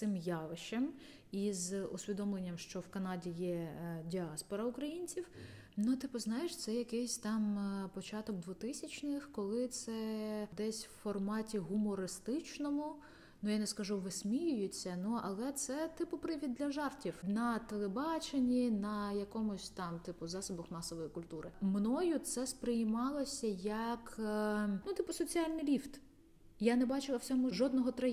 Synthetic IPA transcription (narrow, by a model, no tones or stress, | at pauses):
sɪmjɑʋɪʃem | izʊsʲʋʲid̪ɔmlˠenʲːɐmʃt͡ʃɔwkɐnɑdʲijɛdʲiɑspɔɾɐʊkɾɐjinʲt͡sʲiw | nʊt̪ɪpɔznɑjeʃt̪sɛjɐkɛsʲt̪ɑmpɔt͡ʃɑt̪ɔɡ̚d̪ʋʊt̪ɪsʲɐt͡ʃnɪxkɔlˠɪt̪sɛd̪ɛsʲwfɔrmɑtʲiɦʊmɔɾɪst̪ɪt͡ʃnɔmʊ | nʊjanɛskɐʒuʋesʲmʲijʊjʊt͡sʲːɐnuɐ̰lˠɛt̪sɛt̪ɪpʊpɾɪʋʲid̪ːlʲɐʒɑrtʲiwnɐt̪elˠebɑt͡ʃenʲinɐjɐkɔmʊsʲt̪ɑmt̪ɪpʊzɑsɔbɔxmɑsɔʋɔjikʊlʲt̪uɾɪmnɔjʊt̪sɛspɾɪjɪmɑlˠɔsʲɐjɐk | nut̪ɪpʊsɔt͡sʲialʲnɪjlʲift̪ | janɛbɑt͡ʃɪlˠɐwt͡sʲɔmʊʒɔd̪̚nɔɦɔt̪ɾɐ